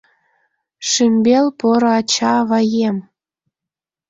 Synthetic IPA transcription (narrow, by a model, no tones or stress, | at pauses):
ʃymʲbelpoɾoɑt͡ɕɑβɑjem